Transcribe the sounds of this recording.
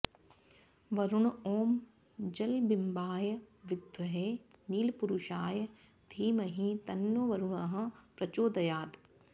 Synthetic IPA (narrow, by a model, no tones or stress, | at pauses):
ʋɐɾuɳ̃oːm | d͡ʒɐlbɪmbaːjɐʋɪd̪ʱʋɐɦeːniːlpuɾuʃaːj | d̪ʱiːmɐɦĩt̪ɐnːoːʋɐɾuɳɐɦɐ̆pɾɐt͡ʃoːd̪ɐjaːd̪